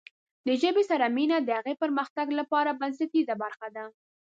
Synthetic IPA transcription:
d̪əʒəbesaɾaminad̪əhaɣepəɾməxt̪aɡlapɑɾabans̬at̪izabaɾxad̪a

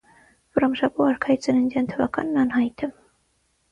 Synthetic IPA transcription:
vrɑmʃɑpɔɑɾkʰɑit͡sənənd̪ɑnt̪ʰəvɑ̰kɑ̰nːɑnɦɑjt̪ʰə

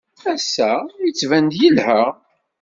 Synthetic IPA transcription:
æsːæjət͡sːvænd̪jilhəʁ

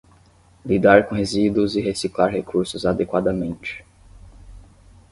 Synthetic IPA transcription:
lid̪aɾkõɦezid̪ʊzɪɦesiklaɾɦekʰuɾsʊzad̪ekwad̪ɐmẽnt͡ʃɪ̥

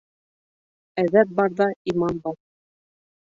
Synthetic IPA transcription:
æðæt̪̚bɑɾðɑimɑnbɑɾ

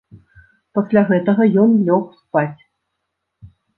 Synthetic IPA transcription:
pɐsʲlʲaɣɛt̪ɐɣɐjɔnlʲɔxspat͡sʲ

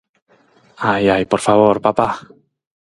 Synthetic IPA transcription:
ajajpɔɾfaβoɾpapa

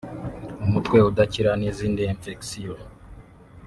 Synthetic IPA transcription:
umutkwe̞udaciɾaniziːndieɱfeksio

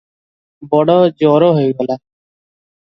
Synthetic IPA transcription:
bɔɽoːd͡ʒoːɾoːɦeːalaː

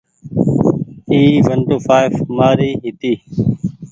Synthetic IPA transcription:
iːʋəɳʈoːfaːɪfmaːɾiːɦɪt̪iː

